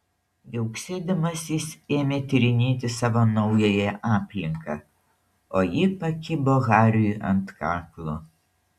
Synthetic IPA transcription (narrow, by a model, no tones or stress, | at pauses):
jɛʊksʲeːd̪ʲɐmɐsʲɪseːmʲeːt̪ʲɪɾʲɪnʲeːt̪ʲɪsɑːʋoːnɒʊjɛjɛʔɑːpʲlʲɪŋkɑ̰ː | oːjɪpɐkʲɪboɣɑːɾʲɪjuʔɐ̰nt̪kɑːklˠu